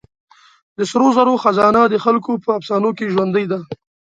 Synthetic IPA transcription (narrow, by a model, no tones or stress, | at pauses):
d̪əsɾozaɾoxazɑnad̪əxalkopəafsɑnokeʒwand̪əjd̪a